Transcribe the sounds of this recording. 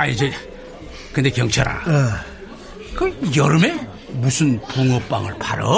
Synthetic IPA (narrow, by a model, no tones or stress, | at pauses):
aid͡ʑe | kɯnd̪e̞kjʌŋt͡ɕʰaɾa̰ | kɯjʌɾɯme̞ | musʰunpuŋʌp͈̚a̰ŋɯ̰ɭpʰaɾʌ̰